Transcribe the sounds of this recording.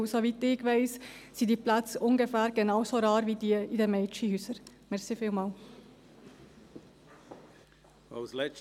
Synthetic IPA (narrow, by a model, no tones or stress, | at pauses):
soʋitɪɡvɛɪssidiːplat͡sʊŋɡəfæːɾɡenɑʊsoɾɑːɾʋiːdiːəidɛmɛɪt͡ʃihyːsəɾmɛʁsifiːlmɑːl | a̰wzlɛt͡ʃ